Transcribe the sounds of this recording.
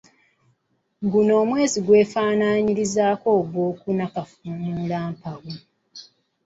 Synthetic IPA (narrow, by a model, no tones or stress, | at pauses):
ɡuno̞ːmwe̞ːziɡwe̞ːfaːnaːɲiɾizaːko̞ːɡwoːkunakafuːnuːlaːmpawu